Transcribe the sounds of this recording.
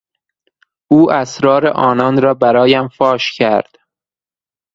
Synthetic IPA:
ʔuːʔæsɾɒːɾḛʔɒːnɒːnɾɒːbæɾɒːjæmfɒːʃcʰæɾd̪̥

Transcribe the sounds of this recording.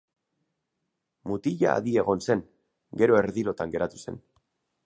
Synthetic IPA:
mut̪iʎa̰ːðie̞ɣo̞nse̞ŋ | ɡe̞ɾoe̞ɾðiɾo̞t̪aŋɡe̞ɾʔat̪u̥se̞̰n

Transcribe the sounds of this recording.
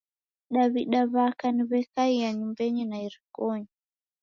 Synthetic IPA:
ɗaβiɗaβakaniβɛkaijaɲumbɛɲinaiɾikɔɲi

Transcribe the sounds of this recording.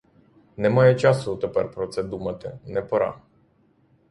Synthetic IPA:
nɛmajɛt͡ʃasut̪əpɛɾpɾɔt̪sɛd̪umat̪ɛnɛpɔɾa̰

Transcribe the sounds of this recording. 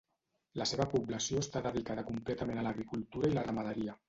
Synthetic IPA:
ləseβəpublasioest̪aðəðikaðəkumplɛt̪əmenəlaɣɾikulˠt̪uɾailərəmaðəɾiə

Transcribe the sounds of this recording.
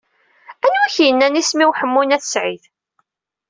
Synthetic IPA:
ænuæçjənːænismiwħəmːunæθsʕið

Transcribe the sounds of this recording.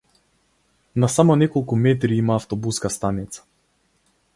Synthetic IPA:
nasamɔnɛkɔlˠkumɛt̪̬ɾiimaːft̪ɔbuskast̪anit̪sḁ

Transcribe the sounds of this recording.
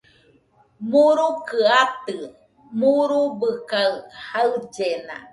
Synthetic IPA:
muɾukɨat̪ɨ | muɾubɨkahaɨd͡ʒena̰

